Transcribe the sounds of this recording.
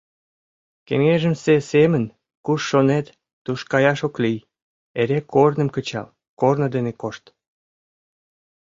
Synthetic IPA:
kḛŋeʒəmsesemən | kuʃːonet̪ː | uʃkɑjɑʃoklij | eɾekʰornə̆mkət͡ɕɑ̰l | kornə̆d̪enekoʃt̪

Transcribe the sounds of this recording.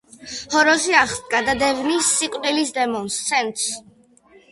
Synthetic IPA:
hɔɾɔziaχt̪ʼɡad̪ad̪ɛvnisːikʼd̪ilisd̪ɛmɔnst̪sʰɛnt̪ʼs

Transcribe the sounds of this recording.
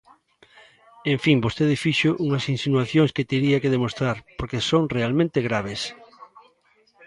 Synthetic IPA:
ẽɱfiŋbost̪eðɪfiʃoʔuŋɐsinsinuaθjoŋsket̪eɾiakeðemost̪ɾaɾpoɾkesoŋrealmẽnt̪eɣɾaβ̞es

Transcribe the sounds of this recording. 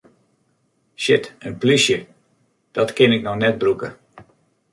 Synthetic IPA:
ʃɪtənplysjə | d̥ɔtkɪnɪknɔxnɛt̚brukə̰

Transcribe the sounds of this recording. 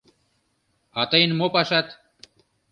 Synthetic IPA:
ɑt̪ɤjnmopɑʃɑt̪

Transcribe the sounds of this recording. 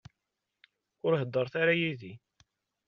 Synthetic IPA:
ʊɾɦəd̪ːəɾˤθaɾajiði

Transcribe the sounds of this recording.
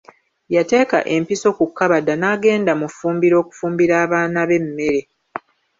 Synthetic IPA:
jate̞ːka̰ʔe̞mpiso̞kukːaβadanaːɡe̞ːndamufuːmbiɾo̞ːku̥fuːmbiɾaːβaːnaβe̞mːe̞ɾe̞

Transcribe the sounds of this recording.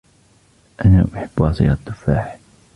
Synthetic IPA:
ʔanaʔʊħɪbːwɑːsˤɨjɑd̪ˤʊfaːħ

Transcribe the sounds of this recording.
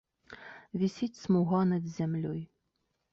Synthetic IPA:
vʲisʲit͡sʲsmuɣɑnɐd̪zʲæmlʲɔj

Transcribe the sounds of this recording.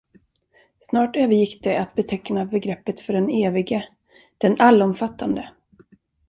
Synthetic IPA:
snɑːʈøːvəɾjɪkːd̪̥ɛat̪̚bɛt̪ʰɛknabɛɡɾɛpːət̪fœɖɛneːvɪɡə | d̪̥ɛnalːɔmfat̪ːand̪ə

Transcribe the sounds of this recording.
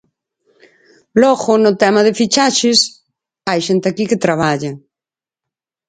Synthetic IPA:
lɔɣʊnʊt̪ɛmaðɪfit͡ʃaʃɪs | ajʃent̪eakikɪt̪ɾaβ̞aʎa

